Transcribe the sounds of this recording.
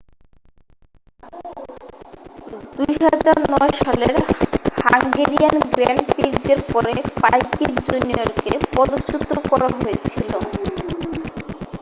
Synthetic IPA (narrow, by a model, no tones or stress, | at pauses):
d̪ujɦad͡ʑaɾnnɔeʃɔleɾhaŋɡeɾianɡɾɛnpiɾd͡ʑeɾpɔɾepajkikd͡ʑunijoɾkepɔd̪ot͡ɕut̪ːɾokɔɾaɦojet͡ɕʰilo